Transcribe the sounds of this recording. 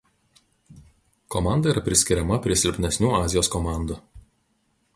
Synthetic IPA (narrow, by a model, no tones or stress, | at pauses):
kɔmɑˑnd̪ɐiɾɐpʲɾʲɪsʲkʲɪɾʲɛmɐpʲɾʲiɛsʲɪlʲpʲnʲɛsʲnʲuːɑːzʲɪjoːskɔmɑˑnd̪u